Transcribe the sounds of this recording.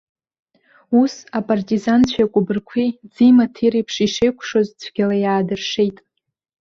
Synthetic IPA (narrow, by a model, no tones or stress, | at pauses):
usapʼartʼizant͡ɕʷʰakʷʼʊbɨrkʷʰid͡zimatʰiɾipʰʂiʂejkʷʰʂozt͡ɕʷʰɡʲalajaːdɨrʂejtʼ